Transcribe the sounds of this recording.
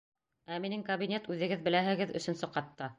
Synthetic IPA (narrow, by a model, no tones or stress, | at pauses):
æminɘŋkɐbinʲet̪ʉðɘ̆ɡɘðbɘ̆læɦɘ̆ɡɘðɵ̰̆sɵ̆nsɤqɑt̪ːɑ